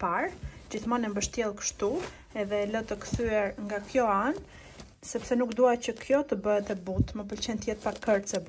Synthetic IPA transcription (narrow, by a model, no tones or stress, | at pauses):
paɾd͡ʑiθmanɛmbəʃt̪jɛlˠkə̥ʃt̪u | ɛðɛlət̪əkθyɛɾŋɡakjɔan | sɛpsɛnukd̪uacəkʰjɔt̪əbəɛt̪ɛbut̪məp̬əlt͡ɕɛnt̪jɛt̪̚pakəɾsɛb